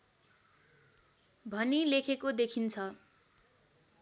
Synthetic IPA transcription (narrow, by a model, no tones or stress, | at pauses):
bʱʌnilekʰekod̪ekʰint͡sʰʌ